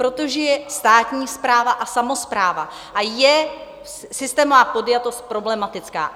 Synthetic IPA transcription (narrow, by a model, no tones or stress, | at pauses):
pɾot̪oʒɛjɛst̪aːt̪ɲiːspɾaːvaʔasamo̞spɾaːva | ʔajɛ | sɪst̪ɛːmovaːpo̞d̪jat̪o̞st̪̚pɾo̞blɛmat̪ɪt͡ska̰ː